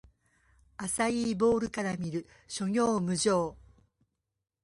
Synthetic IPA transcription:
asaiːbo̞ːɾɯ̟kaɾamʲiɾɯ̟ | ɕo̞ɲʲo̞ːmɯ̟ʑo̞ː

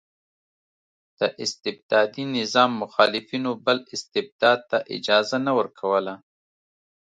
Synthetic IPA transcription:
d̪̥əʔɪst̪ɪb̚d̪ɑd̪inɪzɑmːʊxɑlɪfinobəlɪst̪ɪb̚d̪ɑd̪̚t̪aʔɪ̰d͡ʒɑzanawəɾkʰawəla

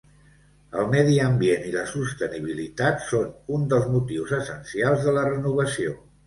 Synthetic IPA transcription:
əlˠmɛðiəmbieniləsust̪əniβ̞ilit̪at̪sonund̪əlˠzmut̪iwzəsənsialˠzðələrənuβ̞əsio

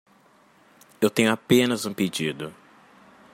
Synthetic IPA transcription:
ewt̪ẽɲʊapẽnɐzũped͡ʒid̪ʊ

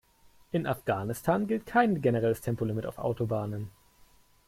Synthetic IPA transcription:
ʔɪnʔafɡ̥aːnɪstʰaːnɡɪlt̚kʰaɪnɡenəʁɛləstʰɛmpolɪmɪtaʊfʔa̰ʊtobaːnən

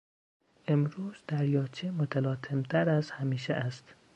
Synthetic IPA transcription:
ʔemɾuːzd̪̥æɾjɒːt͡ʃʰemot̪ʰælɒːt̪ʰemt̪ʰæɾæzhæmiːʃḛʔæst̪

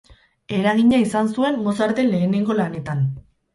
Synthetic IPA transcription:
e̞ɾaɣ̞iɲaisansue̞mmo̞saɾt̪e̞nle̞ːne̞ŋɡo̞lane̞t̪an

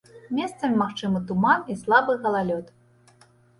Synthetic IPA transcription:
mʲest̪sɐmʲmaxt͡ʂɨmɨt̪umanislˠabɨɣɐlˠalʲɔt̪

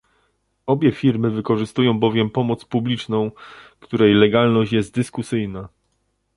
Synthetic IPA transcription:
ɔbʲjɛfʲiɾmɘvɘkɔʐɘst̪ujɔ̃w̃bɔvʲjɛmpɔmɔt̪spublʲit͡ʂnɔ̃w̃kt̪uɾɛjlɛɡalnɔɕt͡ɕjɛst̪d̪ɘskusɘjna

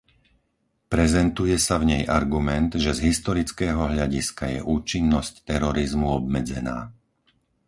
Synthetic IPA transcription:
pɾɛzɛnt̪ujɛsavɲɛjʔaɾɡumɛnd̪ʒɛzɦist̪ɔɾit͡skɛːɦɔɦʎaɟiskajɛ̰ʔuːt͡ʃinːɔsct̪ɛɾɔɾizmuɔbmɛd͡zɛna̰ː

